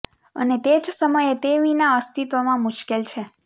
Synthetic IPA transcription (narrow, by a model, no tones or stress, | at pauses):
ə̰net̪ed͡ʒsəməjet̪eʋinaəst̪it̪ʋəmãmʊʃkelt͡ʃʰe